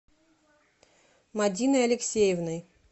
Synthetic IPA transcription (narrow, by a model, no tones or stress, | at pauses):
mɐdʲinɨɐlʲɪksʲejɪvnəj